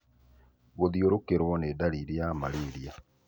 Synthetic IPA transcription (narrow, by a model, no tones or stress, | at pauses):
ɣoðioɾokeɾwɔnedaɾiɾjamaliɾja